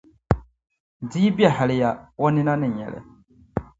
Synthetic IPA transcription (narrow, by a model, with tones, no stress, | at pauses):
diː˦bɛ˨ha˨lɪ˨ja˨wɔ˦nɪ˦na˦nɪ˨ɲɛ̰˨lɛ̰˨